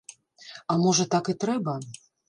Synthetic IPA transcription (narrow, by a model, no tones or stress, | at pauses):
amɔʐɐt̪akɨt̪ɾɛbɐ